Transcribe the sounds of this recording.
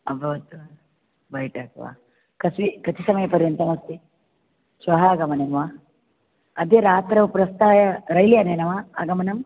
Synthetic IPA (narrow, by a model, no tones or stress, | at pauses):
ɐbʱɐʋɐt̪ːʋa | bɐjʈaːkʋa̰ | kɐsʋikɐt͡ʃ̪isɐmɐjɐpɐɾjɐnt̪ɐmɐst̪i | ʃʋɐɦaɡɐmɐnɐmʋaː | ɐd̪eːɾaːt̪ɾɐʋpɾɐst̪aːjɐɾɐjlijaneːnɐʋaːa̰ɡɐmɐnɐm